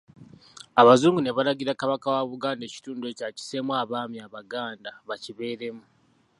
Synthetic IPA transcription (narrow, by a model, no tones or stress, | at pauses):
aβazuːŋɡune̞βalaɟiɾakaβakawaβuɡaːnde̞ːci̥tuːndwe̞caci̥se̞mwaːβaːmjaβaɡaːndaβaciβe̞ːɾe̞mu